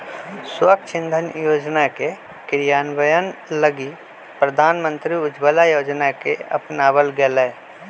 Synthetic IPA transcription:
swəkt͡ʃʰɪ̃nd̪ʱənjoːd͡ʒnake | kɪɾjaːnbəjənləɡi | pɾəd̪ʱaːnmə̃nt̪ɾiʊd͡ʒbəlajoːd͡ʒnakeɐ̰pnaːbəlɡelɛː

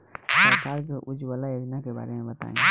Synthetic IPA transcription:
səɾkaɾk̬eʔud͡ʒbalajod͡ʒnakeba̰ɾemẽbət̪a̰ːḭ̃

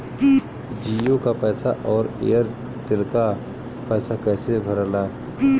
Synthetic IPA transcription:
d͡ʒiːjokapɛːsaʔɔːɾḛːəɾ | t̪ɪlka | pɛːsakɛːsebʱɐɾəlaː

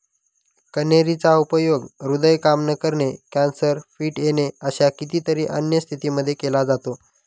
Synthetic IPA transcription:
kəneɾit͡saupəjoɡɾud̪əjkamnəkəɾɳekɛnsəɾfiːʈjeneəɕakit̪iːt̪əɾiːʔənjəst̪ʰit̪iːməd̪ʱːjekelad͡zat̪o

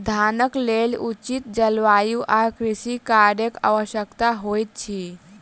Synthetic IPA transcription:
d̪ʱanəklelut͡ʃit̪̚d͡ʒəlʋajuʔaɾkɾisikaɾɖeka̰ʋəʃjəkt̪aɦojt̪̚t͡ʃʰi

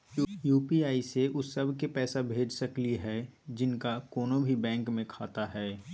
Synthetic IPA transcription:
juːpiaːiseʔʊsːɐbʱkepɛːsabʱeːd͡ʒsɐkliɦɛːd͡ʒɪnkakɔːnõbʱibɛ̃ːŋkmẽkʰaːt̪aɦɛː

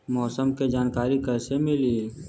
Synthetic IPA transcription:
mɔːsəmked͡ʒaːnkaːɾikəːsemɪli

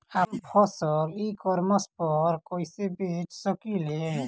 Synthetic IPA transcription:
ampʰɔsəɾikɔɾməspəɾkoːisebet͡ʃsəkilɦe

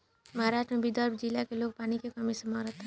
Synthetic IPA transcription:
mʌɦaɾaʃʈɾʌbid̪ʌɾbʱd͡ʒilːakelok̚panikekʌmisəmaɾʌt̪ʰ

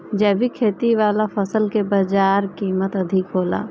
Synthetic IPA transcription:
d͡ʒɛːbʱikʰeːt̪iʋaːlafəsəlkebad͡ʒaːɾkiːmət̪ɐd̪ʱɪkɦoːla̰ː

